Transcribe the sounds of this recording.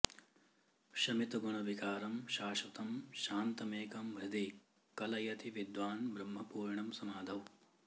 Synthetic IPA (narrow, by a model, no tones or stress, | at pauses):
ʃɐmit̪uɡɐɳɐʋikaːɾɐmʃaːʃʋɐt̪ɐmʃaːnt̪ɐmeːkɐmʋɾɐd̪ʱi | kɐlɐjɐt̪iʋid̪ʋaːnbɾɐmɦɐpuːɾɳɐmsɐmaːd̪ʱɐw